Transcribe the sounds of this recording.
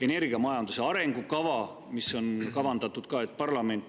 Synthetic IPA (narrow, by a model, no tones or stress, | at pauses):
e̞ne̞rɡiɑmɑjɑnd̪̥use̞ɑɾe̞ŋɡ̥ukɑvɑ | miso̞nkɑvɑnd̪ɑt̪ːˑud̪̥kɑːe̞t̪̚ːˑpɑrlɑme̞nt̪ː